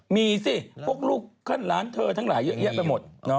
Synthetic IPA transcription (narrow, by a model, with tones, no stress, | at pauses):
miː˧siː˥˩pʰu˥˩ək̚luː˥˩kʰːa˥˩nɾaː˦˥nt̪ʰɤː˧t̪ʰa˦˥ŋlaː˩˦jːɤ˦˥ʔja˦˥ʔpa˧jmo˨˩t̪̚nɔ˦˥